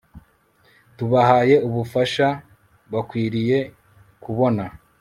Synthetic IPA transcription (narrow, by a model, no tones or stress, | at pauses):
tuβahaːje̞uβufaʃa | βakwiːɾije̞ | kuβo̞na